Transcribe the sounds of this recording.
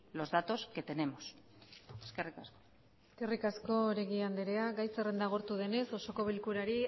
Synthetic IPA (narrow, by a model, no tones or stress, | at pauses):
lo̞zðat̪o̞ske̞t̪e̞ne̞mos | eskerikasko̥ | eske̞rikasko̞ɾeɣiand̪eɾeaɡajsere̞nd̪aɣ̞o̞ɾt̪uðe̞ne̞so̞so̞ko̞βilkuɾaɾi